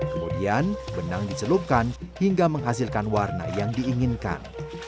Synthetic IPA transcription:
kəmudianbənaŋdisəlup̚kanhiŋɡaməŋɦas̬ɪlkanwarna̰jaŋdiːŋɪnka̰n

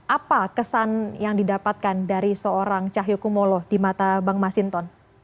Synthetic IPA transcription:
ʔapakəsanjaŋdidapat̪̚kandaɾisəoɾaŋt͡ʃaɦjukumolɔd̥imat̪abaŋmasint̪ɔn

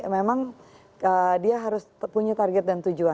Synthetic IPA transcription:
memaŋ | ədiaɦaɾʊspuɲat̪arɡɛt̪̚dant̪ud͡ʒua

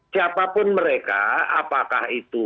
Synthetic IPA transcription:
siapapʊnməɾeka̰apakahit̪u

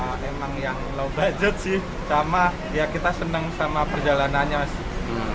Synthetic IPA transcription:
emaŋjaŋlaubad͡ʒʊt̪̚sɪh | sama | jakit̪asənəŋsamapərd͡ʒalanaɲasɪh

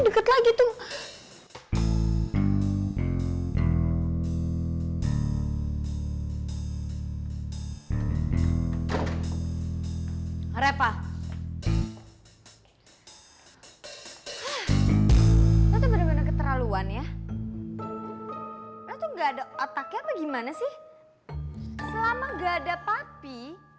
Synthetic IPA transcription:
dəkət̪laɡit̪u | ɾepa | hah | sat̪abanabanakət̪əɾaluanja | alat̪uŋɡaːdaat̪akapaɡimanasɪh | səlamaɡaːdapapi

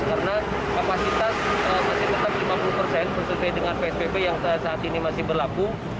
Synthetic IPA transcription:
kaɾəna | kapasit̪asəmasɪht̪ət̪ap̚limapulupərsɛnbərsəswajdəŋanpeɛsbebejaŋtsaːt̪inimasɪhbərlaku

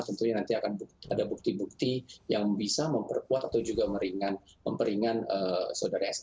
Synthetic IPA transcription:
t̪ənt̪uɲanant̪iakanbuk̚adabuk̚t̪ibuk̚t̪ijaŋbisaməmpərkuat̪at̪awd͡ʒuɡaməɾiŋanmə̰mpəɾiŋanəsaudaɾaas

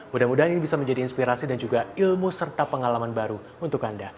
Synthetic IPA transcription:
mudahmudaɦaninibisaməɲd͡ʒadiːnspiɾasidand͡ʒuɡailmusərt̪apəŋalamanbaɾu | unt̪ʊkanda

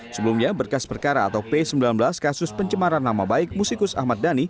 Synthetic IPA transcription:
səbəlumɲabərkaspərkaɾa̰ːt̪awpesəmbilanbəlaskasʊspəɲt͡ʃəmaɾanːamabaɪk̚musikʊsa̰hmat̪̚dani

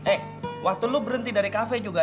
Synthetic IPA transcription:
ʔɛh | wʔak̚t̪ulubəɾənt̪idaɾikafɛd͡ʒuɡa

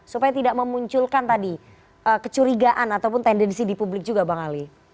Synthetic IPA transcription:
supajat̪idaʔməmuɲt͡ʃʊlkant̪adi | ʔəkət͡ʃuɾiɡaʔanat̪awpʊnt̪ɛndɛnsidipublɪk̚d͡ʒuɡabaŋali

